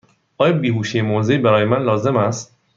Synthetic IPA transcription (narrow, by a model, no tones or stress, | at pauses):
ʔɒːjɒbiːɦuːʃijemoːzeiːbæɾɒːjemænlɒːze̞mæst̪